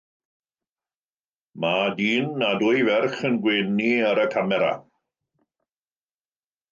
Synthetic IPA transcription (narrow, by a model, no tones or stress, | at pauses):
madiːnːadʊjvɛrχənɡweːniəɾəkʰamɛɾa̰